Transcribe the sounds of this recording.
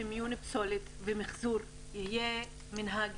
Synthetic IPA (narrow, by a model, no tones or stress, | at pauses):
emjunipso̞lit̪vemiχzuɾ | jihije | minɦaɡ